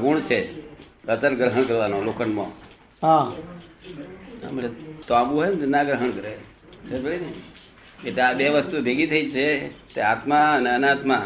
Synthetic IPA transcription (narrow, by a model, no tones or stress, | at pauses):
ɡuɳt͡ʃʰekət̪əɾɡɾəɦəɳ̃kəɾʋanolokʰənmõ̰ | ɦã | a̰məɭet̪oãɡuɦɔjnnaɡɾəɦəɳkəɾe | səbəɭine | eʈleabeʋəst̪ubʱeɡit̪ʰəit͡ʃʰet̪eat̪maəneənat̪ma